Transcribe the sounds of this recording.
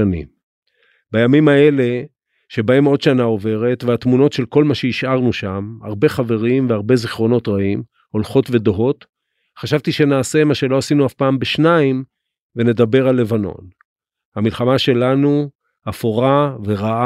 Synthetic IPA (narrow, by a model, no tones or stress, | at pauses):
anḭm | bajamimae̞le̞ | ʃe̞bae̞mo̞dʃanao̞ve̞ʁe̞tveatmuno̞tʃe̞lko̞lmaʃeiʃʔaʁnuʃama̰ʁbe̞χave̞ʁimveaʁbe̞ziχʁo̞no̞tʁaim | o̞lχo̞tve̞do̞ɦo̞t | χaʃavt̪iʃe̞naːse̞maʃe̞lo̞asinuafpaːmbeʃnaim | ve̞ne̞d̪abe̞ʁalːe̞vano̞̰n | hamilχamaʃe̞lanu | hafoʁaveʁaa